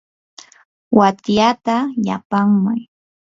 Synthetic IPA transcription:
wat̪jat̪aʎa̰paŋmaj

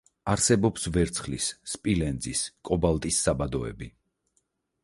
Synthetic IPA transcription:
aɾsɛbɔpsvɛɾt̪sʰχlisːpʼilɛnd̪ziskʼɔbalˠt̪ʼisːabad̪ɔɛ̰bi

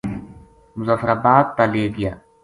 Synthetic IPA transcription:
mʊzaːfəɾaːbaːt̪̚t̪aleːɡɪjaː

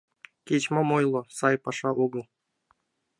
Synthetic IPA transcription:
kʲet͡ɕmɑmojlˠosɑjpɑʂɑʔuɡɤ̆lˠ

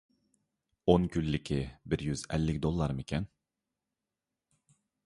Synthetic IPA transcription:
onkʲylːɪkʲʰɪbɪɾjyzɛlːɪkʲd̪olˠːɑɾmɪkʲʰɛn

